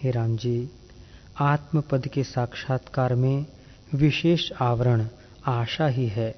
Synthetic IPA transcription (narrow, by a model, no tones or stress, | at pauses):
ɦeɾãːmd͡ʒiː | aːt̪məpəd̪kesaːkʃaːt̪kaːɾmẽ | ʋɪʃeːʃaːʋəɾəɽ̃ | aːʃaɦiɦɛː